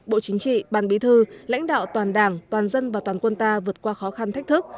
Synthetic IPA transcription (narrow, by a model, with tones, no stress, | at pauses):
ɓo̰˧˨t͡ɕï˨˦ŋ̟t͡ɕḭ˧˨ɓaː˨˩nɓi˨˦t̪ʰɨ˧la̰˧˥jŋ̟ɗa̰ː˧˨wt̪waː˨˩nɗaː˨˩ŋt̪waː˨˩nzə˧nvaː˨˩t̪waː˨˩nkwə˧nt̪aː˧vɨ˨˩ət̚kwaː˧xɔ˨˦xa˧nt̪a˦˥k̚t̪ɨ˦˥k̚